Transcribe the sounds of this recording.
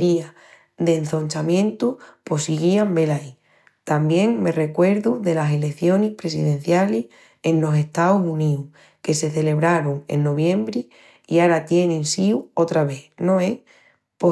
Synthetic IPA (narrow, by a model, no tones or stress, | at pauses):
ia | ðe̞n̟θo̞nʲt͡ʃamjẽ̞nt̪upo̞siɣiambe̞lai | t̪ambje̞ŋme̞re̞kwe̞ɾðuðe̞lase̞lekθjo̞nihpɾe̞s̬iðẽ̞n̟θjalih | e̞nlo̞se̞ht̪auɦuniu | ke̞se̞θe̞le̞β̞ɾaɾuŋe̞̰nːo̞βjẽ̞mbɾi | iaɾat̪je̞nẽnsiuot̪ɾaβe̞no̞e | po